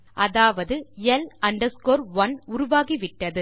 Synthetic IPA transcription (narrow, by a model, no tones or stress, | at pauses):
ʔɐðaːʋɐðɯɛlɐɳɖɐɾskoːɾʋɐnʊɾʊʋaːɣiʋɪʈːɐðɯ